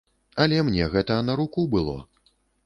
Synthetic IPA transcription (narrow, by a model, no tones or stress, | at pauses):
ɐlʲɛmnʲɛɣɛt̪ɐːnɐɾukubɨlˠɔ̰